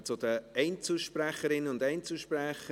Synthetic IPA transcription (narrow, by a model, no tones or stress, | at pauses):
t͡sʊd̥̪əɛɪnt͡sl̩ʃpræχəɾɪnəʊndɛɪnt͡sl̩ʃprɛχə